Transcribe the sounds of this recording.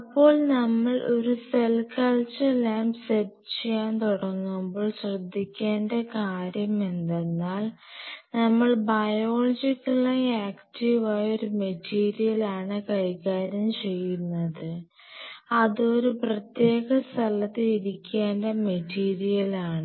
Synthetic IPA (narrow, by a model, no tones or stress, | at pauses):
ɐpːo̞ːɭnɐmːɐɭo̞ɾuselkɐɭt͡ɕɨlaːmsett͡ɕejaːnt̪uɽɐŋːumbo̞ːɭɕrɐd̪ʱːikʲːaːndɐkaːɾjɐme̞nd̪e̞nːaːl | nɐmːɐɭbɐjo̞ːɭɐd͡ʑikʲːɐɭɐjaːktiʋaːjo̞ɾumetʰːiːɾijɐlaːɳɨkɐjkːaːɾjɐmt͡ɕe̞jːunːɐðɨ | ɐðo̞ɾuprɐt̪je̞ːɣɐst̪ʰɐlɐt̪ːiliɾikʲːaːndɐmetiːɾijɐlaːɳɨ